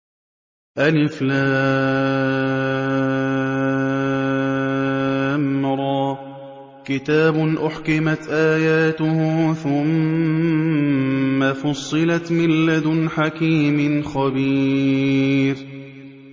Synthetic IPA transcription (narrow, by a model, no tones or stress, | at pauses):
ʔalɪflaː | mɾˤɑː | kɪt̪aːbʊnʔʊħkɪmat̪ʔaːjaːt̪ʊhʊːθʊm | afɑsˤːɨlat̪mɪlːad̪ħakiːmɪnxabiː | ɾ